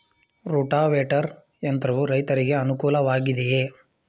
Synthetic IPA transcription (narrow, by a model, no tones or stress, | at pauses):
ɾuːʈaːʋeːʈɐɾ | ent̪ɐɾɐʋuɾɐjt̪ɐɾiɡe̞ɐnukuːlɐʋaːɡid̪eje